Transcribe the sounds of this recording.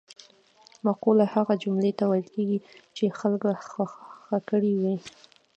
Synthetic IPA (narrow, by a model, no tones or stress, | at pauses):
maqulahaɣad͡ʒʊmlet̪awajlkeɡit͡ʃexalkaxaxakəɽiwi